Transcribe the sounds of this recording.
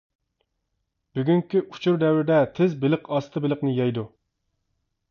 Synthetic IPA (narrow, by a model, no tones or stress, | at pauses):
b̥yɡʲyŋkʲiʔut͡ʃʰuɾd̪ɛwɾɪd̪ɛt̪ʰɪzbɪlɪqɑst̪ʰɨbɪlˠəqnɨjɛjd̪u